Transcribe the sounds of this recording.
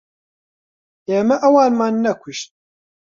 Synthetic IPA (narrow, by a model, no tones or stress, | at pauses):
eːmɛʔɐwɑːnmɑːnːɐkʷʰuʃt̪̚